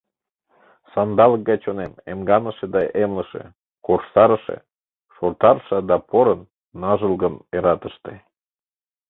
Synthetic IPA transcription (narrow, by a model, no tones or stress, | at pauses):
sɑnd̪ɑlək̚ɡɑjt͡ɕonenemɡɑnəʃed̪ɑʔemləʃḛ | korʃsɑɾəʃḛ | ʃort̪ɑrʃəd̪ɑpoɾənː | ɑʒəlɣəneɾɑt̪əʃt̪e